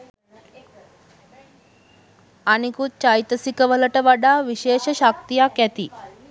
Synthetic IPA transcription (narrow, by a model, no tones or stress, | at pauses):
anikut͡ʃajt̪ɐsikɐʋɐlɐʈɐʋaɖaʋiɕeːʃɐʃak̚t̪ijakɛt̪i